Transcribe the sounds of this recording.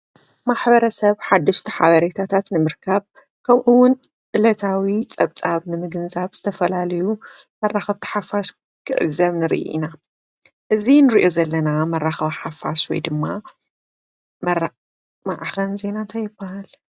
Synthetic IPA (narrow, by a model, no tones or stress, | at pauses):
maħbɐɾɐsɐβħad̪ːɐʃt̪ʰiħa̰βɐɾet̪ʰat̪ʰat̪nɨmɨɾkʰɐβ | kʰɐmʔuwːʊn | ʔɨlɐt̪ʰawit͡sʼɐβt͡sʼaβnɨmɨɡɨnzaβz̥ɨt̪ʰɐfɐlalɐju | mɐrːaxɐβt̪ʰi̥ħafːas | kʰɨʔɨ̰zɐβnɨɾḭʔḭna | ʔɨzinɨɾiʔo̞zɐlːɐnamɐrːaxɐβaħafːaswɔ̰jd̪ɨmːa | mɐɾ | maʕxɐnze̞nant̪ʰɐjɪbːahal